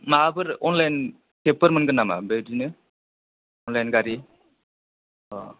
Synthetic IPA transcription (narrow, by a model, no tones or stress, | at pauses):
mabɯɾɔnlajn | kepəɾmɯnɡɯnːama̰bedinɯ | ɔnlajnɡaɾi